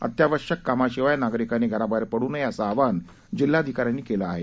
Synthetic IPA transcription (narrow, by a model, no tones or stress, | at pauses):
ə̰t̪jaʋəɾʂəkːamaɕiʋajnaɡɾikaneɡʱəɾabʱaɾpəɽuːnɦjəsaːʋan | d͡ʑilːaəd̪ʱikaɾjanːiːkelaaɦe